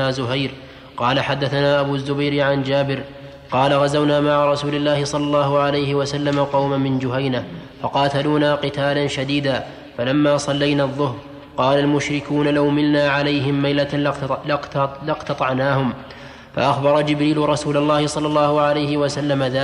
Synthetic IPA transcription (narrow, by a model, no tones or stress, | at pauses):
aːzʊɦajɾ | qɑːlaħad̪ːaθanaːʔabuːzːʊbajɾɪʕand͡ʒaːbɪɾ | qɑːlaɣazawnaːmaʕaɾˤɑsuːlɪlːaːhɪsˤɑlːɑlˤːɑːhʊʕalajhɪwasalːamaqɑwmanmɪnd͡ʒʊhajnafɑqɑːt̪aluːnaːqɨt̪aːlanʃad̪iːd̪aː | falamːaːsˤɑlːajnaːðˤːʊhɾ | qɑːlalmʊʃɾɪkuːnalawmɪlnaːʕalajɦɪmːajla | lɪqt̪ɑt̪ˤɑʕnaːhʊm | fa̰ʔaxbɑɾˤɑd͡ʒɪbɾiːlʊɾˤɑsuːlalˤːɑːhɪsˤɑlːɑlˤːɑːhʊʕalajhɪwasalːamaðaː